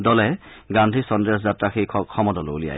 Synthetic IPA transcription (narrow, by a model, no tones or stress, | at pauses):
dɔlɛɡãndʱisɔndɹɛszatɹaxijkʰɔkʰɔmɔdɔlolija̰